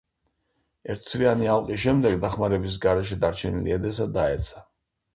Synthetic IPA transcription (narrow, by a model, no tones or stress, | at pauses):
ɛɾt̪ʰt̪ʰvianialˠqʼisʃɛmd̪ɛɡd̪aχmaɾɛbis̬ɡaɾɛʃɛd̪aɾt͡ʃʰɛnilḭɛd̪ɛs̬ad̪aɛt̪sʰḁ